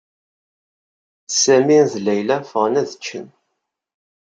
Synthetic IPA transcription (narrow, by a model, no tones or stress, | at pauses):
sæminðlæjlæfəʁnæðət͡ʃːən